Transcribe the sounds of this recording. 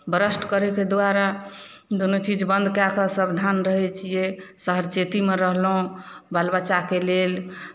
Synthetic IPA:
bəɾəsʈʰkəɾɛked̪aɾa | d̪onot͡ʃid͡ʒbənd̪ʱkakəsəbd̪ʱanɾəɦɛt͡ʃʰijesəɦəɾt͡ʃet̪imeɾəɦlɦũbalbat͡ʃakelel

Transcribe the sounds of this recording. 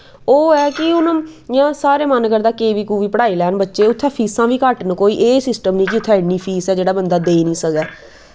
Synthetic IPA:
oːɛːkɪʊnjãːsaːɾeːmənkəɾd̪aːkeːʋiːkuːʋiːpəɽaːiːlɛːnbətːʃeːʊt̪ʰːɛːpʰiːsãːʋiːkəʈnkoːiːʔeːsɪsʈəmnĩːkiʊt̪ʰːɛːɪniːpʰiːsɛːd͡ʒeːɽaːbənd̪aːd̪eːnĩːsəkɛː

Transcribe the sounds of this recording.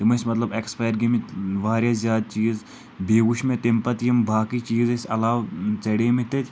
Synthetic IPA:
t̪emɐsmɐt̪lɐbeːkspaːjɾɡemiʋaːɾʲjazʲjaːd̪̚t͡ʃiːz | beːɡuʃmẽt̪impɐt̪jimbaːkit͡ʃiːzesɐlaːwt͡sɐɽemit̪et̪ʰʲ

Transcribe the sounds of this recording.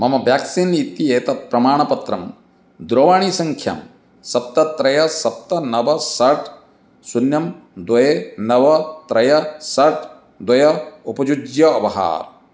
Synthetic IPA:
mɐmɐʋjaːksinit̪ieːt̪ɐpɾɐmaːɳ̃ɐpɐt̪ɾɐm | d̪ɾoːʋaːɳ̃isɐŋkʰjɐ̰m | sɐp̚t̪ɐt̪ɾɐjɐsɐp̚t̪ɐnɐʋɐsɐɾʈʰ | sunjɐmd̪wɐjenɐʋɐt̪ɾɐjɐsɐɾʈʰ | d̪wɐjɐupɐd͡ʒud͡ʒjɐɐpɐɦa̰ːɾ

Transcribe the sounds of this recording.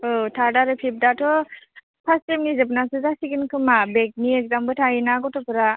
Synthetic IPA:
ɔtʰaɾdaɾɯpʰip̚datʰɔ | pʰastemnizabnasɯzasiɡinkʰɯmabek̚niɛk̚zambɯtʰainaɡɔtʰɔpɯɾa

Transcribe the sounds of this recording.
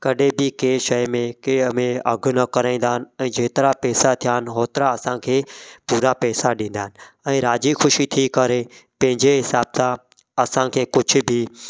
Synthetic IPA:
kɐɗebɪkeːʃɐjmẽkeːmẽɐɡʱʊ̆nɐkɐɾaːĩnd̪aːɦɪn̆ɛ̃ːd͡ʑeːt̪ɪɾapɛːsat̪ʰijaːɦɪnɦoːt̪ɪɾaɐsãkʰeːpuːɾapɛːsaɗĩːn̆d̪aːɦɪnɪ̆ɛ̃ːɾaːd͡ʑixʰʊʃit̪ʰiːkɐɾepɐ̃ɦɪ̃ɲd͡ʑeɦɪsaːbsã | ɐsãkʰeːkʊd͡ʑʱʊ̆bʱɪ

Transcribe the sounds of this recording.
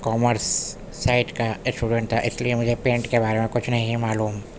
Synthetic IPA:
kɔːməɾsː | aːɪʈkaɪsʈuːɖə̃ɳʈ̚t̪ʰa̰ʔɪsliemʊd͡ʒʱepẽːɳʈkebaːɾemẽkʊt͡ʃʰnɐɦĩmaːluːm

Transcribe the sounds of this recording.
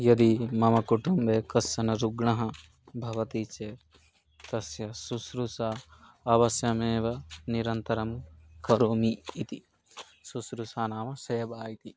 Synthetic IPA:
jɐd̪imɐmɐkuʈumbeːkɐsjɐnɐɾuɡɳɐɦɐ̃ | bʱɐʋɐt̪it͡ʃe | t̪ɐsjɐsusɾusa | ɐʋɐsjɐmeːʋɐniɾɐnt̪ɐɾɐmkɐɾoːmiːt̪i | susɾusaːnaːmɐsɐjɐbaːjit̪i

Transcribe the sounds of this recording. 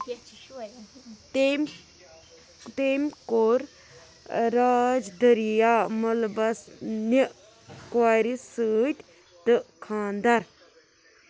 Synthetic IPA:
t̪emkoɾ | ɾaːd͡ʒd̪əɾijaːmɐlbɐsni | kwaːɾisɨːʈ | t̪ɨkʰaːnd̪ɐɾ

